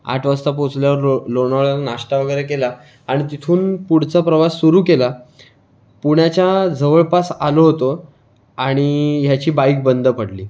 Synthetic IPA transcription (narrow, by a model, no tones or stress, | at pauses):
a̰ʈʰʋəst̪apot͡sljaʋəɾlonaɭanaʂʈaʋəɡəjɾekelaː | ɽ̃it̪it̪ʰuːnpuɽ̤t͡sapɾəʋasːuɾuːkela | puɳ̃jat͡ɕjad͡zəʋəɭpasaloɦot̪o | aɽ̃iɦjat͡ɕiːbaik̚bənd̪ʱəpəɽliː